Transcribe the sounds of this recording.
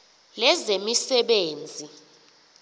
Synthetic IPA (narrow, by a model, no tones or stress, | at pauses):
lɛzemisɛɓeːnd͡zʱi